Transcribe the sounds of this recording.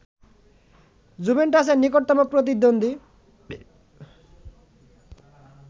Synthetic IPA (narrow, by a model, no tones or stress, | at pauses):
zubenʈas̬enːikoʈt̪ːɔmok̚pɾot̪̬id̪ond̪i